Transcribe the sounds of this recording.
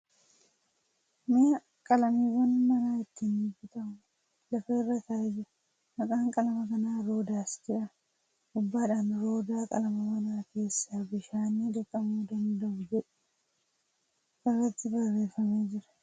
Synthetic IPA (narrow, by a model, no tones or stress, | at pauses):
mɪɐ | kʼɐlɐmiːwɐnmɐnaːɪt̪ːinɪbɪt̪ɐʔʊ | lɐfeːrːɐt̪aːjɪ | mɐkʼaːŋkʼɐlɐmɐkɐnaːɾo̞ːd̪aːsd͡ʒɪᶑɐ | ʔʊbːaːᶑaːnɾo̞ːd̪aːkʼɐ̰lɐmɐwɐnaːke̞ːsːaːbɪʃaːniːᶑ̪ɪkʼːɐmuːd̪ɐnd̪ɐʔʊd͡ʒɛᶑɛ̥ | ʔɪrːɐt̪ːɪbɐrːe̞ːfɐme̞ːd͡ʒɪɾɐ̥